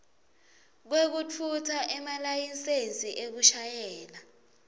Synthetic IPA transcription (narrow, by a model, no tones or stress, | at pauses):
k̬wek̬ut͡fʰutʰaʔɛmalajinsent͡sʼiʔek̬uʃajɛːla